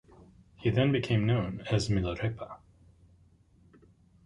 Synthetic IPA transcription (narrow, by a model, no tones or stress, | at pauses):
hiðɨ̃nbɨkʰẽɪ̃mnõʊ̃nɨzmɪlˠəɹepʰə